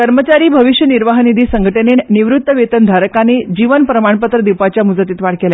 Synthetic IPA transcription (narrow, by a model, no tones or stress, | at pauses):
kəɾmət͡ɕaɾiːbʱəʋiɕjəniɾʋaɦnid̪ʱiːsəŋɡʱəʈənenniʋɾut̪ːəʋet̪ənd̪ʱaɾəkaned͡ʑiʋənpɾəmaɳpət̪ɾəd̪iwpat͡ɕjamud͡zat̪iːt̪ʋaɽkela